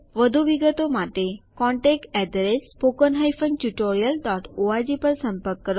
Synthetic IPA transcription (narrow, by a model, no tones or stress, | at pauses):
ʋəd̪ʱuʋiɡət̪omat̪ekɔ̃ɳʈɛk̚ʈɛɖɾespokənɦajfənʈuʈoɾijəlɖɔʈʰoad͡ʑipəɾsə̃mpəɾkːəɾo